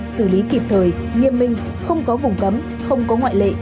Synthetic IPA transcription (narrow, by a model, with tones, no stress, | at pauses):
sɨ˧˩li˨˦ki˨˩p̚t̪ʰəː˨˩jŋi˨əmːï˨˧ŋ̟ | xə˧wŋ͡mkɔ˨˦vʊ˨˩ŋ͡mkə˨˦m | xə˧wŋ͡mkɔ˨˦ŋwa̰ː˧˨jlḛ˧˨